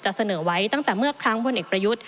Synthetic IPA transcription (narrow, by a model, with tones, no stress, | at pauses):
t͡ɕa˨˩ʔsa˧nɤː˩˦wa˦˥jt̪a˥˩ŋt̪ɛː˨˩mɯ˥˩ɐkʰɾa˦˥ŋpʰo˧nʔeː˨˩k̚pɾa˧ju˦˥t̪̚